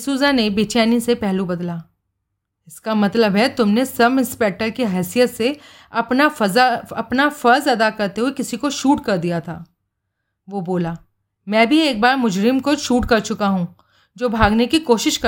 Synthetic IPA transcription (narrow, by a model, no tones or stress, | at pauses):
suːzanebeːt͡ʃaːnisepɛɦlũbɐd̪laː | ɪskamɐt̪ləbɦɛt̪ʊmnesɐbɪ̃nspɛk̚ʈəɾkiɦɛːsijət̪se | ɐpnafɐzaɐpnafɐɾzɐd̪akɐɾt̪eɦuekɪsikoʃuːʈkɐɾd̪ijat̪ʰa̰ː | ʋoboːlaː | mɛ̃ːbʱieːk̚baːɾmʊd͡ʒɾɪmkoʃuːʈkɐɾt͡ʃʊkaɦũ | d͡ʒoːbʱaːɡnekikoːʃɪʃkɐ